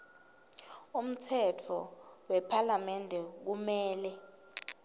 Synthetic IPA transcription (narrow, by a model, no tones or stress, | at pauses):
um̩tʰɛtʰɔwɛpʰalamɛndʱɛk̬umɛːlɛ